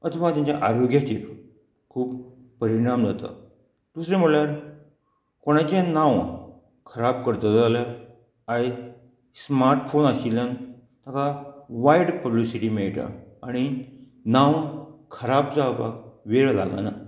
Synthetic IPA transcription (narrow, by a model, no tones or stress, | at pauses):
ət̪ʰəʋat̪jãɲt͡ɕjaʔaɾoɡjat͡ɕiɾ | kʰuːb | pəɾiɽ̃amd͡zat̪a̰ | d̪̥usɾẽm̤əɭɭjaɾ | koɽ̃at͡ɕjanãw | kʰəɾab̚kəɾt̪əalja | aj | smaɾʈfonasiljan | t̪akaʋaiɽpəblisiʈiːmeɭʈ̪a̰aɽ̃i | nãwkʰəɾab̚d͡zawpa̰kʋeɭla̰ɡa̰na